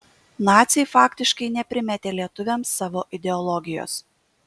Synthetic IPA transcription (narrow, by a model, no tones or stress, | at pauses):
nɑːt̪sʲɛɪfɑːkʲt̪ʲɪʃkɐɪnʲɛpʲɾʲɪmʲɛt̪ʲeːlʲiɛt̪ʊʋʲɛmsːɑːʋoːʔɪd̪ʲɛɔlˠɔɡʲɪjo̰ːs